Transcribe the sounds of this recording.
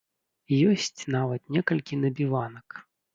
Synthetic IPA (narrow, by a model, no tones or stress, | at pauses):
jɔsʲt͡sʲnavɐt̪nʲɛkɐlʲkʲinɐbʲivanɐk